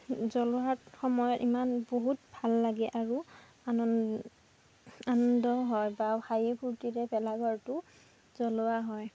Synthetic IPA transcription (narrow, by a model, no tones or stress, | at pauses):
zɔlʊaxɔmɔjɔtimanboɦut̚bʱalːaɡɛʔaɹu | anɔ | anɔndɔɦɔjbaxajipʰuɹtiɹɛbɛlaɡɔɹtʊ | zɔlʊwaɦɔj